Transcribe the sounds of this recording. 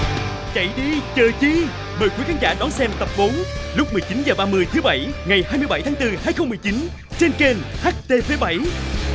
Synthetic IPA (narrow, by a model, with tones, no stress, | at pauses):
t͡ɕə̰˧˨jɗi˧t͡ɕəː˨˩t͡ɕi˧ | məː˨˩jkwi˨˦kʰaː˨˦nza̰ː˧˩ɗɔ˨˦nsɛ˧mt̪ə˨˩p̚ɓo˨˦nlʊ˦˥k͡p̚mɨ˨˩əjt͡ɕi˨˦nzəː˨˩ɓaː˧mɨ˧əjt̪ʰɨ˨˦ɓa˧˩jŋa˨˩jhaː˧jmɨ˧jɓa˧˩jt̪aː˨˦ŋt̪ɨ˧haː˧jxə˧wŋ͡mmɨ˨˩əjt͡ɕi˨˦n | t͡ɕe˧nke˧nhaː˦˥k̚t̪e˧fe˨˦ɓa˧˩j